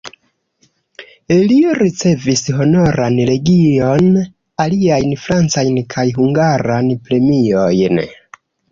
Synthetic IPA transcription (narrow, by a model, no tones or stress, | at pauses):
elioɾit͡se̞visɦo̞no̞ɾanle̞ɡio̞n | aliajnfɾant͡sajnkʰajɦuŋɡaɾanpɾe̞mio̞jn